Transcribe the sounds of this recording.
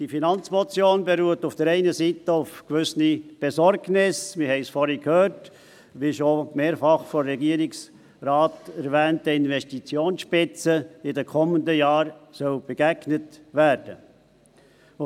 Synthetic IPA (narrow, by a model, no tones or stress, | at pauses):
d̥ifinɑnt͡smɔt͡sjoːnbeɾuətufd̥əɾɛɪnəsitəʊfkʋʏsnib̥esɔɾɡnɪsmɪhɛɪsfɔɾikʰhøːɾt | ʋiʃomeːɾfɑχfɔɾɛɡiːəɾiks | rɑːtɛɾvɛːntəɪnvɛstit͡sjoːnsʃpɪt͡səɪdəkʰɔməndəjaɑːɾsœlb̥eɡ̥æɡnətvæɾd̥ə